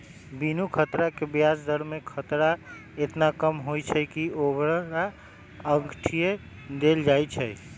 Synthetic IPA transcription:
binukʰət̪ɾakebjasd̪əɾmekʰət̪ɾa | et̪nakəmɦojt͡ʃʰəkiobɾɾa | əŋkʈʰije | d̪eld͡ʒajt͡ʃʰɛ

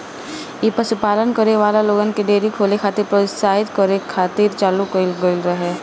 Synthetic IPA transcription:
jeːpəsupaːlənkəɾeʋaːlaloːɡənkeɖeːɾikʰoːlekʰaːt̪ɪɾpɾoːsaːɦɪt̪kəɾekʰaːt̪ɪɾt͡ʃaːlukəlɡəlɾɐɦeː

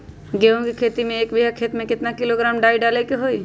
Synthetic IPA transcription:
ɡeõkikʰeːt̪imẽeːkbiɦakʰeːt̪mẽkɪt̪nakɪloɡɾaːmɖaːiɖaːlekeɦoːiː

